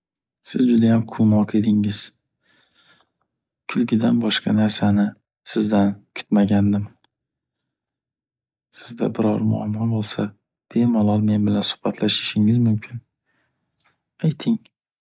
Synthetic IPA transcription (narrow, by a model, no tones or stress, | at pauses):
sɪzd͡ʒʊd̪ajamqʰʊlˠmɒqʰed̪ɪŋɪz̥ | kʲʰʊlɡʲɪd̪anbɒʃqʰɑnaɾsanɪ | sɪzd̪ankʰʊ̥t̪maɡʲand̪ɪm | sɪzd̪a̰bɪɾɒɾmʊ̰a̰mːɒbolˠsa | b̥e̞mɒlˠɒlme̞nbɪlansʊ̥hbat̪ʰlaʃɪ̥ʃɪŋɪzmʊmkʲʰɪn | ajt̪ʰɪŋ